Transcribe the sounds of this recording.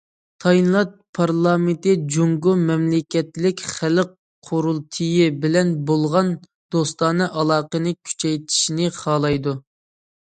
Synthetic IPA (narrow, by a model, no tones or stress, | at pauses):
t̪ʰɑjnlˠɑt̪̚pʰɑɾlˠɑːment̪ɪd͡ʒuŋɡumɛmlɪkʲɛt̪lɪkʲχæləq̚ | qʰoɾulˠt̪ʰɨjɪbɪlɛnbolˠʁɑn | d̪̥ost̪ɑnɨʔɑlˠɑːqənɨkʲʰy̥t͡ʃʰɛjt̪ʰi̥ʃinɪχɑːlˠɑjd̪u